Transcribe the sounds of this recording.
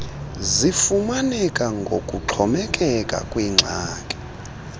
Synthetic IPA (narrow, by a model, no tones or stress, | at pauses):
zifumanɛkʼaŋɡʱokʼuǁʰɔmɛkʼɛkʼa̰kʼwiŋ͡ǀʱaːkʼɛ̥